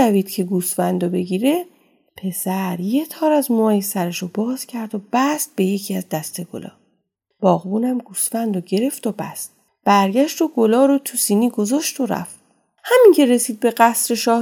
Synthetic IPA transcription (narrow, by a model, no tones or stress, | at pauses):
æviːd̪̥cʰe̞ɡuːsfænd̪obe̞ɡiːɾe̞ | pʰe̞sæɾje̞t̪ʰɒːɾæzmoːjesæɾeʃobɒːz̥cʰæɾd̪ob̥æst̪̚be̞je̞cʰiæzd̪æst̪e̞ɡ̥o̰lɒ̰ː | b̥ɒːɣbuːnæmɡuːsfænd̪oɟe̞ɾe̞ft̪obæ̰st̪ | b̥æɾɟæʃt̪oɡo̞lɒːɾot̪ʰusiːniːɡo̞zɒːʃt̪oɾæ̰ft̪ | hæmiŋcʰe̞ɾe̞siːd̪̚be̞ɢæsɾeʃɒː